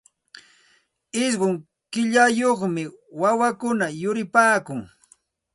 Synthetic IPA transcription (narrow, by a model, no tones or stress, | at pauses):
ɪsɢʊŋ | kɪʎajoχmɪwawakʊnajʊɾɪpaːkʊŋ